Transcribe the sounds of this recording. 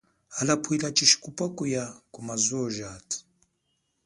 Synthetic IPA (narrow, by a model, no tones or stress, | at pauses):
alapʰuilat͡ʃiʃi̥kupakujakumazɔʒaːtʰi̥